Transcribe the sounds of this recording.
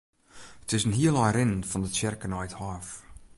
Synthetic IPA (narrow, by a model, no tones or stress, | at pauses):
ətɪsənɦiəlˠɔjɾɪnfɔndətjɪrkənɔjthɔf